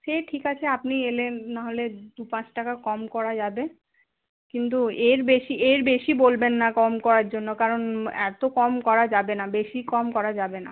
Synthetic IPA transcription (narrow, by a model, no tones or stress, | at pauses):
ʃeʈʰikat͡ɕʰeapnielenːaɦoled̪upãt͡ɕʈakakɔmkɔɾad͡ʑabe | kint̪̬ueɾbeʃiʔeɾbeʃibolbenːakɔmkɔɾaɾd͡ʑonːokaɾonɛ̰t̪okɔmkɔɾad͡ʑabenabeʃikɔmkɔɾad͡ʑabena̰